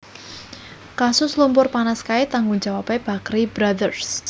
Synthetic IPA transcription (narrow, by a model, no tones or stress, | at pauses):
kasʊslumpʊrpanaskaɪt̪aŋɡund͡ʒawapeb̥a̤kɾibɾadərs